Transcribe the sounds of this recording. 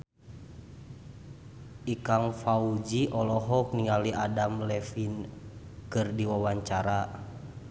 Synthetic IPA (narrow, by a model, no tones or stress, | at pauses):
ʔikaŋfaud͡ʒiʔɔlɔɦɔk̚niŋaliʔadamlɛfin | kɨrdiwawaɲt͡ʃaɾa